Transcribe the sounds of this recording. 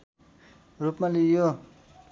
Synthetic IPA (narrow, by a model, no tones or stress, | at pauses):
rupmalijo